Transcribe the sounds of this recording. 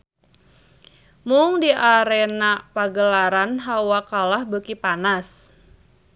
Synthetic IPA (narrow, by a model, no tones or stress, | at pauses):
muŋdiʔaɾɛnapaɡəlaɾanɦawakalahbəkipanas